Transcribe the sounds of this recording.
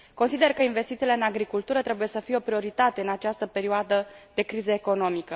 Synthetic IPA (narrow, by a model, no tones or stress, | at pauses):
ko̞nsid̪e̞rkəinve̞st̪it̪sile̞ɨnaɡɾikult̪uɾət̪ɾe̞buje̞səfijeo̞pɾio̞ɾit̪at̪e̞ɨnat͡ʃast̪əpe̞ɾioad̪əd̪e̞kɾizəeko̞no̞mikə